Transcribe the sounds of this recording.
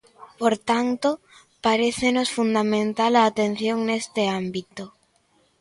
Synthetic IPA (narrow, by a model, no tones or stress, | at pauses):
poɾt̪ant̪o | paɾeθenosfund̪amẽnt̪alaːt̪ẽn̟θjoŋnest̪eambit̪o